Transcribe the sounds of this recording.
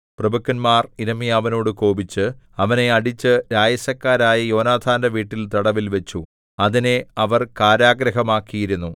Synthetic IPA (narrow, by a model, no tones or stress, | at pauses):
prɐbɐkːɐnmaːriɾɐmijaːʋɐno̞ːɽɨko̞ːbit͡ɕːɨ | ɐʋɐne̞ɐɽit͡ɕːɨɾaːjɐsɐkːaːɾaːjɐjo̞ːnaːd̪ʰʱaːndɐʋiːʈːilt̪ɐɽɐʋilʋe̞t͡ɕːu | ɐðine̞ɐʋɐrkaːɾaːɡɾɐɦɐmaːkːijiɾunːu